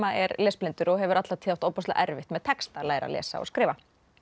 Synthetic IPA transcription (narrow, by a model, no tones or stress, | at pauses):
aɛɾlɛːsplɪnt̪ʏɾɔɣɦɛvʏɾʔat̪lat̪ʰɪːawht̪oːwpɔst̪a̰ʔɛɾvɪht̪mɛðt̪ʰɛkst̪alaːjɾa̰lɛ̰ːsa̰ɔ̰ɣskɾɪːva